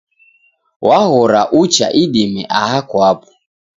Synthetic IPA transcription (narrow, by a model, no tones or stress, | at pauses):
wʔahɔɾaʔut͡ʃa̰ʔiɗimɛ̰ʔahakwapu